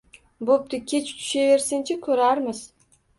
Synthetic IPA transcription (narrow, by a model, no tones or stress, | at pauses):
bop̚t̪ʰɪkʲʰe̞t͡ʃʰt̪ʰʊ̥ʃeve̞ɾsɪnt͡ʃʰɪkʲʰɵɾaɾmɪz̥